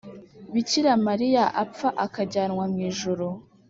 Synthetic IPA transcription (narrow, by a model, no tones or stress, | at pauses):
βiciɾamaɾijaʔapp͡faʔakaɟaːnŋwamŋiːʒuɾo